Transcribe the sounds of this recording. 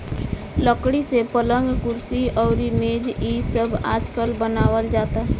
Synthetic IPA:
ləkɽisepələ̃ŋɡkʊɾsiɔːɾimeːd͡ʒisəbaːd͡ʒkəlbənaːwəld͡ʒaːt̪aɦɛ

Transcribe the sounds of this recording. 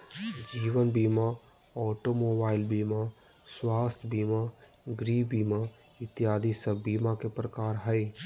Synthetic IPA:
d͡ʒiːʋənbima | ɔːʈomobaːɪlbiːma | swaːst̪ʰbima | ɡɾibima | ɪt̪jaːd̪ʱisəbimakepɾəkaːɾɦəj

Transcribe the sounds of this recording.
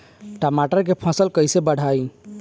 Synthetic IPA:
ʈəmaʈəɾk̬epʰə̃səlkəjsebəɽ̤aj

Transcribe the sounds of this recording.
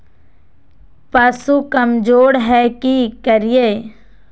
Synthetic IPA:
pɐsukɐmd͡ʒoːɽɦɛkikəɾijeː

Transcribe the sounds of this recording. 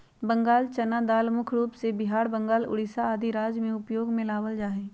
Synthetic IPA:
bə̃ŋɡaːlt͡ʃɐnad̪aːlmʊkʰɾuːpsebɪɦaːɾbə̃ŋɡaːlʊ̰ɽɪsaaːd̪ʱiɾaːd͡ʒmẽʊpjoːɡmẽlaːʋəld͡ʒaːɦeː

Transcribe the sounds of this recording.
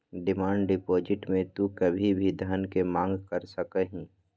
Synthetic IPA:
ɖɪmaːɳɖɖɪpɔːd͡ʒɪʈmẽt̪ukəbʱibʱid̪ʱənkemãːŋɡkəɾsəkəɦĩː

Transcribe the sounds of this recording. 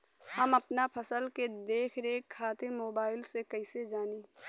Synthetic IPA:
həmɐpnapʰəsəlked̪eːkʰɾẽkʰaːt̪ɪɾmoːbaːɪlsekəɪsed͡ʒaːneː

